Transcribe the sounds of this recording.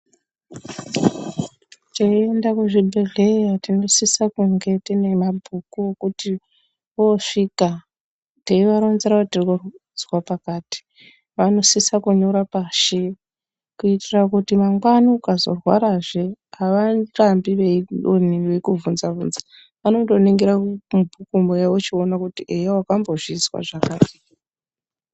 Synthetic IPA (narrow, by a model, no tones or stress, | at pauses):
t͡ʃeiendakuʐibʱe̞ɮe̞ratino̞sisakuŋɡe̞tine̞mabʱukukuti | oʂika | teiʋaɾonzeɾakutirikud͡zwapakaːti̥ | ʋano̞sisakuɲoɾapaʃe | kuitirakutimaŋɡwanokazo̞̰rwaɾaʐeaʋanrambiʋeoniʋekuvunzavṵnza | ʋanodo̞niŋɡiɾamubʱukumejaot͡ʃionakutiʔejewakambo̞ʐizwa̰ʐakaːzi